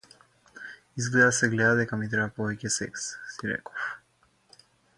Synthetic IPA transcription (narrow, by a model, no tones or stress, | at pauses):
izɡlɛd̪asɛɡlɛd̪ad̪ɛkamit̪ɾɛbapɔvɛcɛsɛ̰kssiɾɛ̰kɔ̥f